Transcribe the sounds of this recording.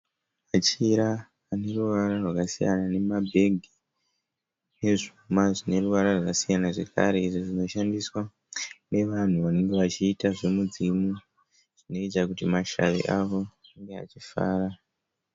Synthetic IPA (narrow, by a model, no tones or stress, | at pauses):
mat͡ʃiɾaː | ne̞ruʋaɾarwakasija̰nane̞mabʱe̞ɡʱi | ne̞ʐumaʐine̞ruʋaɾarwakasijanaʐe̞ka̰ɾe̞iʐoʐino̞ʃandiswa | ne̞ʋan̤uʋane̞ŋɡe̞ʋat͡ʃiːtaʐomud͡zimu | ʐ̥ino̞it͡ʃakutimaʃa̰ʋḛʔaʋo̞aŋɡea̰t͡ʃifa̰ːra